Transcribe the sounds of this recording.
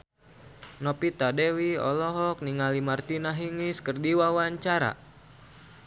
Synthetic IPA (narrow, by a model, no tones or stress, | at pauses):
nɔpit̪adɛwiɔ̰lɔɦɔk̚niŋalimart̪inaɦiŋiskɨrdiwawaɲt͡ʃaɾa̰